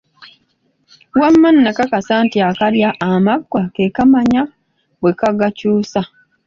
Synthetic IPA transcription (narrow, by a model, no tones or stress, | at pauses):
wamːanːakakasaːntiakaɾjaʔːmaɡwakekamaɲa | bwekaɡacuːsa